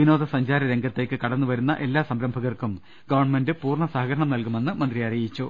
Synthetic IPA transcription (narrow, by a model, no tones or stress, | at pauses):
ʋino̞ːd̪ʱɐsɐɲd͡ʑaːɾɐɾe̞ŋɡɐt̪ːe̞ːkːɨkɐɽɐnːuʋɐɾunːɐ̰ʔe̞lːaːsɐmɾɐmbʱɐɣɐrkum | ɡɐʋɐrɳme̞ndɨpuːrɳɐsaɦɐɣɐɾɐɳɐmnɐlkume̞nːɨmɐnd̪rijɐɾɐjit͡ɕːu